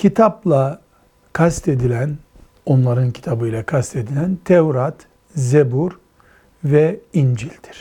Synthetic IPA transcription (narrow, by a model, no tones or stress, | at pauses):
cʰit̪ʰaplˠa | kʰast̪ed̪ilʲæn | o̞nlˠaɾɯncʰi̥t̪ʰabɯjlʲˠɛkʰast̪e̞d̪ilʲænt̪ʰɛvɾat̪ | zebuɾ | vɛind͡ʒilʲd̪̥iɾ̥